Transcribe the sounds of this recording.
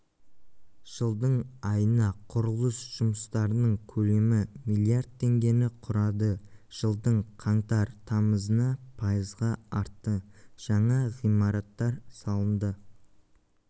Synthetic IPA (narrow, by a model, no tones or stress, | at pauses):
ʒ̥əlˠd̪əɴɑjənɑqʰʊɾʊlˠəsʒ̥ʊməst̪ɑɾənəɴkʲʰɵle̞mɪmijlˠiaɾd̪̚t̪ʰːe̞ŋɡʲe̞nɪqʰʊɾɑd̪əʒ̥əlˠd̪əɴqʰɑɴt̪ɑɾt̪ʰɑməzənɑpʰɑjəzʁɑɑɾt̪ːəʒ̥ɑɴɑʁijmɑɾɑt̪ːɑɾsɑlˠənd̪ə